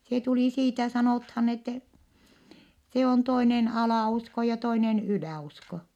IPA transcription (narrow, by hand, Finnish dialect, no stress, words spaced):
se tuliˑ siːtæ sɑnoˑthɑn etːɛ se on toinen ɑlɑˑusko jɑ toinen ylæˑusko